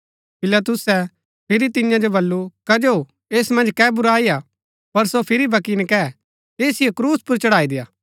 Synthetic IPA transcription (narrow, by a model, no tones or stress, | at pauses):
pɪlɐt̪̬ʊsɛ | pʰɪɾit̪ɪjãd͡ʒobɐlːukɐd͡ʒo | eːsmɐ̃nd͡ʒkɛːbʊɾaːia | pɐɾsopʰɪɾibʱɐkiːnkɛː | eːsɪjɛkɾuːspʊɾt͡ʃɐɽaːid̪ejaː